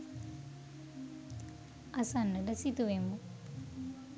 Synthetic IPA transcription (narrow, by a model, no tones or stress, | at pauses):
asanːəɖəsit̪uʋemːu